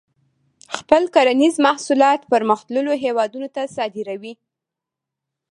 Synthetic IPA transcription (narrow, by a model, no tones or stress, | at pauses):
xpəlkaɾanizmahsulɑt̪pəɾməxt̪ləloɦewɑd̪unot̪asɑd̪ɪɾawi